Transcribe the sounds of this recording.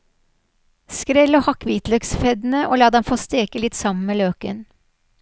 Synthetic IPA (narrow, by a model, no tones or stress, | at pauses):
skɾɛloːhɑkʋiːt̪lœksfɛd̪n̩əʔo̰ːlɑːd̪ɛmfoːst̪eːkəlɪt̪sɑmən̩meːløːkən